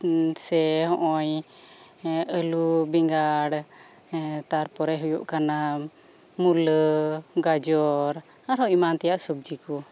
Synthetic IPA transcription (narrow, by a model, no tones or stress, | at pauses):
sɛɦɔ̃ʔɔɲ | əlubiŋɡaɽ | t̪aɾpɔɾɛɦujuʔkana | muləɡad͡ʒɔɾ | aɾɦɔimant̪ɛjaʔsub̚d͡ʒikɔ